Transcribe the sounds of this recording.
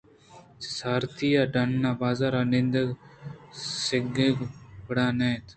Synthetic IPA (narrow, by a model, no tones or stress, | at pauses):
ssaːɾt̪iːaːɖɐnːaːbaːzaːɾaːnɪ̃nd̪əɡ | sɪɡeːɡpəɽaːnẽːt̪